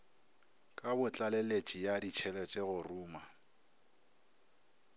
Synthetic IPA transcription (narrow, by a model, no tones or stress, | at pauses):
kʼabʊt͡ɬʼalelet͡ʃʼijadit͡ʃʰɛlet͡ʃʼɛɣʊruːma